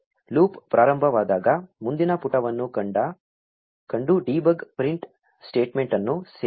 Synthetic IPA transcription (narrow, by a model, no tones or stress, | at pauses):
luːppːɾaːɾɐmbʱɐʋaːd̪aːɡɐmund̪inɐpuʈɐʋɐnːukɐɳɖɐ | kɐɳɖuɖiːbɐɡpɾiɳʈ | sʈeːʈmeɳʈɐnːuse